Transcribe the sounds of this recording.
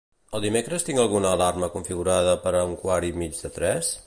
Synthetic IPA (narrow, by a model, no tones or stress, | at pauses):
əlˠd̪imekɾəst̪iŋɡəlˠɣunəːlarməkuɱfiɣuɾað̞əpəɾəəŋkwaɾimid͡ʒðət̪ɾɛs